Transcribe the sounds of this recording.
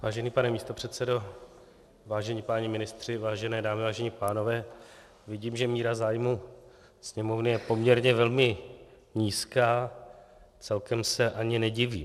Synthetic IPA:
vaːʒɛniːpanɛmiːst̪o̞pr̝̥ɛt̪sɛdo̞ | vaːʒɛɲiːpaːɲɪmɪnɪst̪r̝̥ɪvaːʒɛnɛːdaːmɪvaːʒɛɲɪpaːno̞vɛː | vɪɟiːmʒɛmiːɾazaːjmu | sɲɛmo̞vnɪjɛpo̞mɲɛɾɲɛvɛlmɪ | ɲiːskaː | t͡sɛlkɛmsɛʔaɲɪnɛɟɪvḭː

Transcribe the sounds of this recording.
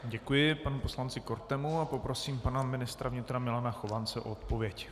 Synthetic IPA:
ɟɛkujɪpanupo̞slant͡sɪko̞ɾt̪ɛmuapo̞pɾo̞siːmpanamɪnɪst̪ɾavɲɪt̪ɾamɪlanaxovant͡sɛʔo̰ot̪po̞vjɛc

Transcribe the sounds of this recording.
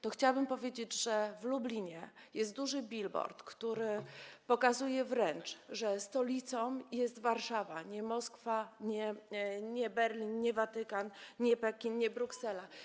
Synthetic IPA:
t̪ɔxt͡ɕawabɘmpɔvʲjed͡ʑed͡ʑʐɛvlublʲiɲɛjɛst̪̚d̪uʐɘbʲilbɔ̰ɾt̪kt̪uɾɘpɔkazujɛvɾɛnt͡ʂʐɛst̪ɔlʲit̪sɔ̃w̃jɛst̪vaɾʂavaɲɛmɔskfaɲɛɲɛbɛɾlʲinɲɛvat̪ɘkanɲɛpɛkʲinɲɛbɾuksɛla

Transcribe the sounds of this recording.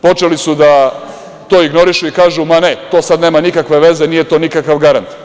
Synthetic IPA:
po̞t͡ʃelisud̪a | t̪oːiɡno̞ɾiʃuikaːʒumane̞t̪o̞ːsad̪neːmanikakʋe̞ʋe̞zenije̞t̪onikakaʋɡaɾant̪

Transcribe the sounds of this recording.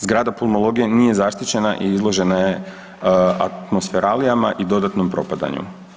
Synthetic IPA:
zɡɾaːd̪apulˠmolˠo̞ɡijenije̞zaʃt̪it͡ɕe̞naʔiizlˠo̞ʒe̞naje̞ | a̰t̪mo̞sfeɾalijamaʔid̪o̞d̪at̪no̞mpɾo̞̰pad̪a̰ɲṵ

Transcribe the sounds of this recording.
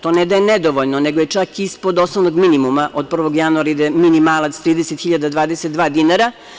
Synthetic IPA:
t̪oːned̪ajened̪oʋoʎnoneɡojet͡ʂakispod̪o̞snoʋnoɡminimumaʔod̪̚pr̩ʋo̞ɡjanuaɾaid̪eminimaːlˠat̪st̪ɾiːd̪eset̪xiʎad̪ad̪ʋaːd̪eset̪d̪ʋaːd̪inaɾa

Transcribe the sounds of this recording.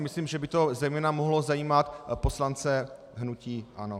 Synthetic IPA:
mɪsliːmʒɛbɪt̪o̞zɛjmɛːnamoɦlozajiːmat̪po̞slant͡sɛ | ɦnuciːʔa̰no

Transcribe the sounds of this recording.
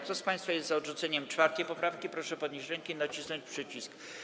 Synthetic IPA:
kt̪ɔspaj̃st̪fajɛst̪zaɔd̪ʐut̪sɛɲɛmt͡ʂfaɾt̪ɛjpɔpɾafkʲipɾɔʂɛpɔd̪ɲiɕɾɛŋkinat͡ɕisnɔɲt͡ɕpʂɘt͡ɕisk

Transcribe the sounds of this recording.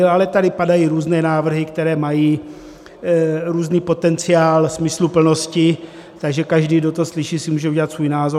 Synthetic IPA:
alɛt̪adɪpadajiːɾuːznɛːnaːvr̩ɦɪkt̪ɛɾɛːmajiː | ɾuːzniːpo̞t̪ɛnt͡sɪaːlsmɪslupl̩no̞scɪ | t̪aɡʒɛkaʒdiːdot̪oslɪʃiːsɪmuːʒɛuɟɛlat̪svuːjnaːzo

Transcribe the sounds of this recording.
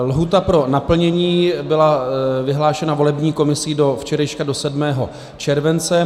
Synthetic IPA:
lɦut̪apɾo̞napl̩ɲɛɲiːbɪlavɪɦlaːʃɛnavo̞lɛbɲiːko̞mɪsɪdo̞ft͡ʃɛɾɛʃkado̞sɛdmɛːɦo̞̰ | t͡ʃɛɾvɛnt͡sɛ

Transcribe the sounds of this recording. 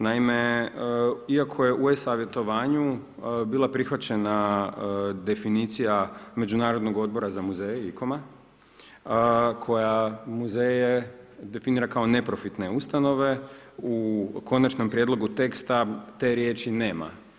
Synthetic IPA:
naime̞ | iakʰo̞je̞ʔuesaːʋje̞t̪o̞ʋaːɲu | biːlˠapɾixʋat͡ɕe̞na | d̪e̞finit̪sijame̞d͡ʒunaːɾod̪no̞ɡo̞d̪̚bo̞ɾazamuzejeiko̞ma | kʰo̞jamuzeːjed̪e̞finiːɾakao̞ne̞pɾo̞fit̪ne̞ust̪ano̞ʋe̞uko̞nat͡ʃnompɾje̞d̪lˠo̞ɡut̪e̞kst̪at̪e̞ɾje̞ːt͡ʃine̞ːma̰

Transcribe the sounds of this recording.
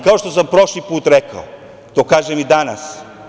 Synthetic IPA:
kaoʃt̪osampɾo̞ʃlipuːt̪ɾekao | t̪oːkaːʒemid̪ana̰s

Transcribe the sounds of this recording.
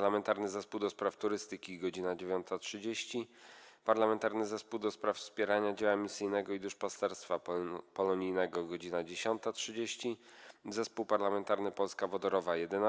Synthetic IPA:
lamɛnt̪aɾnɘzɛspuwd̪ɔspɾaft̪uɾɘst̪ɘkʲiɡɔd͡ʑinad͡ʑevʲjɔnt̪atʂɘd͡ʑeɕt͡ɕipaɾlamɛnt̪aɾnɘzɛspuwd̪ɔspɾaffspʲjɛɾaɲad͡ʑɛwamʲisɘjnɛɡɔid̪uʂpast̪ɛɾst̪fapɔlɔɲijnɛɡɔɡɔd͡ʑinad͡ʑeɕɔnt̪atʂɘd͡ʑeɕt͡ɕizɛspuwpaɾlamɛnt̪aɾnɘpɔlskavɔd̪ɔɾɔvajɛd̪ɛna

